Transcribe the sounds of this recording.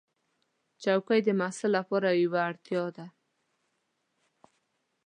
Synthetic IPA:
t͡ʃawkajd̪əmasalːapɔɾajwaːɽt̪jɑd̪a

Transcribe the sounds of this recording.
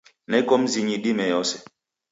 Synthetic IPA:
nɛkɔm̩ziɲiɗimɛjɔsɛ

